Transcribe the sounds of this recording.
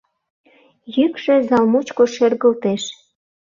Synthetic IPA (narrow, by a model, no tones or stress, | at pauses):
jykʃĕzɑlmut͡ɕkoʃerɣəlt̪eʃ